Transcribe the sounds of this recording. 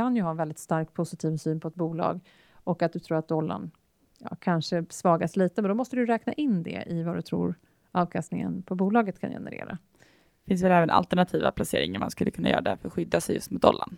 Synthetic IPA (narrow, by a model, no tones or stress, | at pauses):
anjɵɦɑːɛnvɛld̪ɪt̪st̪aɾkpʰʊsɪt̪ʰiːvsyːnpʰɔɛt̪̚buːlɑ̰ːɡ | ɔkat̪̚d̪ɵt̪ʰɾuːɾat̪̚d̪ɔlːa̰n | jɑ̰ːkʰanʂəsvɑːɡasliːt̪əmɛnd̪ɔmɔst̪əd̪ɵjɾɛːknaʔɪnːd̪ɛ̰ɪvad̪ɵt̪ʰɾṵːɾ | ʔɑːvkʰast̪nɪŋə̰npʰɔbuːlɑːɡət̪kʰa̰njɛ̰nə̰ɾḛːɾa | fɪns̬vɛlɛːvəna̰lt̪ɛɳat̪ʰiːva̰pʰlaseːɾɪŋaɾma̰nskɵlːəkʰɵnːajœːɾad̪æɾfœɾɧʏd̪ːasɛjɵst̪mʊt̪ɔ̰lːa̰n